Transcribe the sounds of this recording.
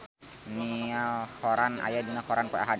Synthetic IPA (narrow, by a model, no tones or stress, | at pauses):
nialhɔɾana̰jadinakɔɾanka̰ɦa